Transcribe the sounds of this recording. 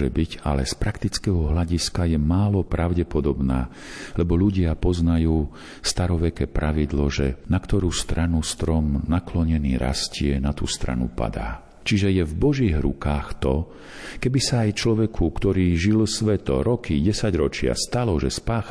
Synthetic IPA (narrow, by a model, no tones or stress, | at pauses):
ʒɛbiɟa̰lɛspɾakt̪it͡skɛɦɔɦlaɟiskajɛmaːlɔpɾaʊɟɛpɔd̪ɔbna̰ː | lɛbɔʎuɟɪapɔznajuː | st̪aɾɔʋɛkɛːpɾʔaʋid̪lɔʒɛ̰nakt̪ɔɾuːst̪ɾʔanust̪ɾɔmnaklɔɲɛniːɾʔa̰scɪɛnat̪ṵːst̪ɾa̰nṵpa̰d̪a̰ː | t͡ʃiʒɛjɛvbɔʒiːɣɾṵkaːxt̪ɔ | kɛbisaːjt͡ʃlɔʋɛkʰukt̪ɔɾiːʒilsʋɛt̪ɔ̰ɾɔkiɟɛsaɟɾɔt͡ʃɪa̰st̪alɔʒɛspaːx